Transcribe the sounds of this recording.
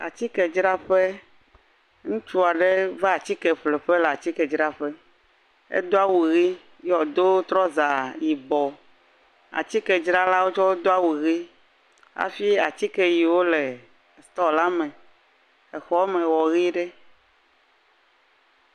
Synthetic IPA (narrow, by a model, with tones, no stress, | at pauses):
a̰˨t͡ɕi˦kɛ˨d͡ʒɾa˦ɸe˦ | ŋũ˦t͡ʃu˦a˨ɖe˦va˦a˨t͡ɕi˦kɛ˨ɸle˨ɸɛ˦lɛ˨a˨t͡ɕi˦kɛ˨d͡ʒɾa˦ɸɛ˦ | ḛ˦d̪o˦a˦wu˨ɣi˦ | jɔ˨d̪o˦t̪ɾɔ˦za˨ji˨bɔ˨ | a̰˨t͡ɕi˦kɛ˨d͡ʒɾa˦la˦wo˦t͡ʃɔ˦wo˦d̪o˦a˦wu˨ɣi˦ | a̰˦fi˦a˨t͡ɕi˦kɛ˦ji˨wo˦le˨ | st̪ɔ˦la˦mɛ̃˨ | ɛ˨xɔ˦mɛ̃˨wɔ˨ɣi˦ɖɛ˦